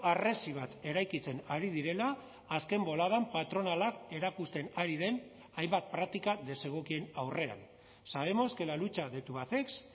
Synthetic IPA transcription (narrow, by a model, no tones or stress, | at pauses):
are̞siβ̞at̪e̞ɾajkit͡se̞naɾið̞iɾe̞laː | ske̞mbo̞lað̞ampat̪ɾo̞nalake̞ɾakust̪e̞naɾið̞e̞n | ajmbat̪̚pɾak̚t̪ikaðe̞se̞ɣ̞o̞kie̞nawre̞a̰n | saβ̞e̞mo̞ske̞lalut͡ʃaðe̞t̪uβat̪e̞ks